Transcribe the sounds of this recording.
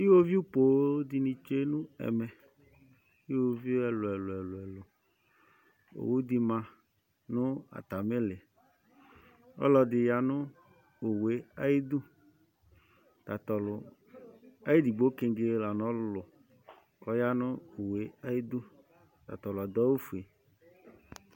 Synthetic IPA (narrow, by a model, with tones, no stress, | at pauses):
i˦wo˦vi˦u˦po˨˦dɪ˨nĩ˨t͡ʃe˦nʊ̃˦ɛ̰˨mɛ˨ | i˦wo˦vi˦ɛ˨lʊ˨ɛ˨lʊ˨ɛ˨lʊ˨ɛ˨lʊ˨ | o̰˨wu˦d̪i˨mã˨ | nʊ̃˦a̰˨t̪a˨mɪ˦lɪ˨ | ɔ̰˦lɔ˨dɪ˨ja˨nʊ˦ | o˨we˨˦a˦ji˦d̪ʊ˦ | t̪a˨t̪ɔ˨lʊ˨ | a˦ji˦di˨ɡ͡bo˦ke˦ŋɡe˨˦la˨nɔ̃˨˦lʊ˨ | ɔ˦ja˦nʊ̃˦o˨we˨˦a˦ji˦d̪u˦ | t̪a̰˨t̪ɔ˨lʊ˨a˨d̪ɔ˦wo˦fu˨e˨